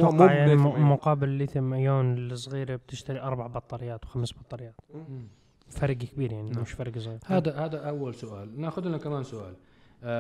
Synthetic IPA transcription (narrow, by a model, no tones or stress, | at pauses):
ʔmjaʕnimʊqɑːbɪllit̪ɪmajoːnɪlɪsˤɣiːɾeb̚t̪ɪʃt̪aɾiʔɑɾˤbaʕbɑt̪ˤːɑlɪjːaːt̪wxamsbɑt̪ˤːɑlɪjːaːt̪ | fɑɾˤɡkbiːɾjaʕnimɪʃfɑɾˤɡsˤɣiːɾhaːd̪ahaːd̪aʔawːalsʊʔaːlnaxʊd̪nakamaːnsʊʔa̰ːl